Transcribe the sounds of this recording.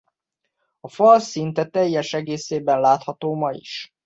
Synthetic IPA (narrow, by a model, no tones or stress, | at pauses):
ɒfɒlsint̪ɛt̪ɛjːɛʃɛɡeːseːbɛnlaːt̪hɒt̪oːmɒjḭʃ